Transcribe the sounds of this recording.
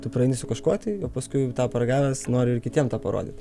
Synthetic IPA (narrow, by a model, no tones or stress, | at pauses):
t̪ʊprɐɛɪnʲɪsʊkɐʃkoːt̪ʲɛɪjɛːpɐskʊɪt̪ɑːpɐɾɐɡɑːʋʲɛsnoːɾʲɪɪrkʲɪt̪ʲiɛmt̪ɑːpɐɾo̰ːd̪ʲɪ̰t̪